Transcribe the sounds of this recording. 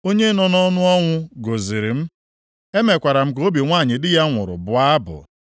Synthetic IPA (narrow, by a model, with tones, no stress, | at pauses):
o˦ɲe˦nɔ˨nɔ˦nʊ˦ɔ˦ŋʷʊ˦ɡo˨zi˨ɾi˨m̩˦ | e˦me˨kʷa˨ɾa˨m̩˦ko˦bi˨ŋʷaː˦˨ɲɪ˨dɪ˦ja˦ŋʷʊ̰˨ɾʊ̰˨bʊ˨a˦bʊ̰˨